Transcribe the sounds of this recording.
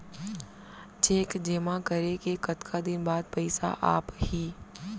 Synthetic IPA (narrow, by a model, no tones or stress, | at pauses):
t͡ʃeːkd͡ʒeːmãkɐɾekekɐt̪kʰad̪ɪnbaːd̪̚pɐɪsa̰ʔa̰ːphiː